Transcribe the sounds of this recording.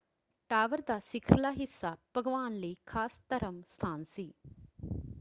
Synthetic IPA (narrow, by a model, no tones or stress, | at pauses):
ʈaːʋəɾd̪aːsɪkʰɾəlaːɦɪsːab̥ʱɐɡʋaːnləikʰaːst̪ɐɾəmst̪ʰaːnsiː